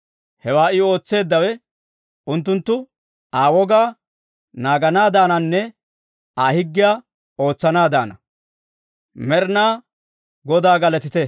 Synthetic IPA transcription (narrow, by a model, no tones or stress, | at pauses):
hɛwaːɪo̞ːt͡sːe̞ːd̪ːɐwɛ | ʊnt̪ːʊnt̪ːʊ | aːwɔɡaː | naːɡɐnaːd̪aːnɐnːɛ | aːhɪɡːɪjaː | o̞ːt͡sːɐnaːd̪aːnɐ | mɛɾnaː | ɡɔd̪aːɡɐlɐt̪ɪt̪ɛ